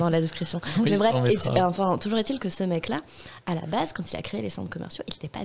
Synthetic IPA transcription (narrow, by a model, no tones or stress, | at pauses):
d̪ɑ̃lad̪ɛskχisjɔ̃mɛbʁɛfeɑ̃fɛ̃t̪uʒuʁet̪ilkəsəmɛklala̰bazkɑ̃t̪ila̰kχeelesɑ̰̃t̪χkɔmʔɛ̰ʁsjoʔilet̪ɛpa̰